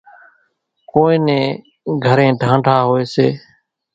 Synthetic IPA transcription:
koːẽːnẽː | ɡʱəɾẽːɖʱãːɳɖʱaːɦoːeːseː

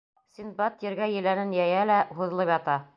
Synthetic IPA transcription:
sʲinbɑt̪jɘ̆ɾɡæjɘ̆lænɘnjæjælæhuðɤ̆lˠɤpjɑt̪ɑ

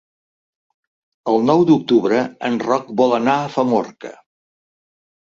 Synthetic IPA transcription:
əlˠnɔwd̪uk̚t̪uβɾəənrɔk̚bɔlənaəfəmɔrkə̰

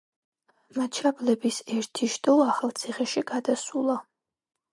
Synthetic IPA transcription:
mat͡ʃʰablɛbisɛɾt̪ʰiʃd̪ʼɔaχalˠt̪sʰiχɛʃiɡad̪asulˠa

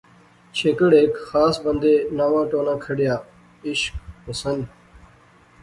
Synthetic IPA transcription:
t͡ʃʰeːkəɽeːkxaːsbə̃nd̪eːnaːʋãːʈoːnãːkʰəɽjaː | ɪʃk̚pəsənd̪

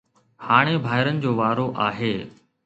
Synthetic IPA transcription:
haːɽ̃ebʱaːɪɾənɪ̆d͡ʑoːʋaːɾoʔaːɦeː

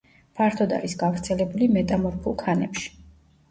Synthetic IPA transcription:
pʰaɾt̪ʰɔd̪a̰ɾisɡavɾt̪sʰɛlɛbulimɛt̪ʼamɔɾpʰulˠkʰanɛpʃi̥

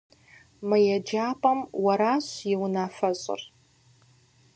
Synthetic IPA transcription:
mɨjɛd͡ʒaːpʼɐmwɐɾaːɕjɪwnaːfɐɕʼɪ̰r

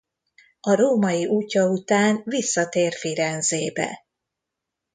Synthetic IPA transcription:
ɒɾoːmɒjiʔuːcːɒut̪aːnvisːɒt̪eːrfiɾɛnzeːbɛ̰

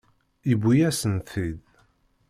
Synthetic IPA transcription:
ibujæsənθið

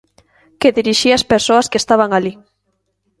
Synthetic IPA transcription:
keðiɾiʃiaspeɾsoaskest̪aβaŋali

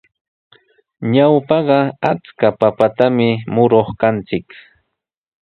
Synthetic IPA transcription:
ɲawpɑɢɑat͡skapapat̪amɪmʊɾoχkant͡sɪk

